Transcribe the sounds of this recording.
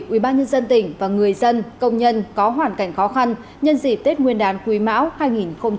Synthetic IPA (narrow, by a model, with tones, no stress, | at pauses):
ʔwi˧˩ɓaː˧nɲə˧nzə˧nt̪ï˧˩ŋ̟vaː˨˩ŋɨ˨˩əjzə˧nkə˧wŋ͡mɲə˧nkɔ˨˦ɦwaː˧˩nka˧˩jŋ̟xɔ˨˦xa˧n | ɲə˧nzi˧˩p̚t̪e˦˥t̚ŋwi˧ənɗaː˨˦nkwi˨˦ma̰ː˧˥whaː˧jŋi˨˩nxə˧wŋ͡m